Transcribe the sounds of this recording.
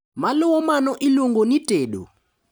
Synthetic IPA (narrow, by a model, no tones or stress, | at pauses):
maluwɔmanɔʔiluŋɡɔniteːɗɔ̰